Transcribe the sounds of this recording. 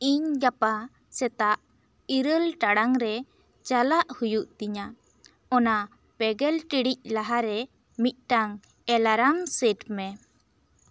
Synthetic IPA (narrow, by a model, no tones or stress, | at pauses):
iɲɡapa | sɛt̪aʔ | iɾəlʈaɽaŋɾɛ | t͡ʃalaʔhujuʔt̪iɲa | ɔna | pɛɡɛlʈiɽic̚laɦaɾɛ | mit̪̚ˀʈaŋ | ɛlaɾamseʈmɛ